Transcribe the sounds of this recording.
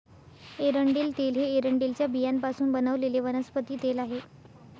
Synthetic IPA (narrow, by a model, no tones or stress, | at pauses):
eɾəɳɖiːlt̪elɦeːɾəɳɖilt͡ɕjabijanpasuːnbənəʋleleʋənəspət̪iːt̪elaɦe